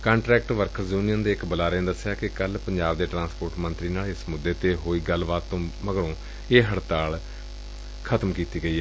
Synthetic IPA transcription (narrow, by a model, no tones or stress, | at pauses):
kãːɳʈɾɛːkʈʋəɾkʰəɾzjuːnijənd̪eːɪkbəlaːɾẽːd̪əsːjaːkɪkəlpəɲd͡ʒaːbd̪eːʈɾãːnspoːɾʈmənt̪ɾiːnaːlɪsmʊd̪eːt̪eːɦoːiːɡəlbaːt̪ːõːməɡɽõː | eːɦəɽt̪aːl | kʰət̪mkiːt̪iːɡəiːɛː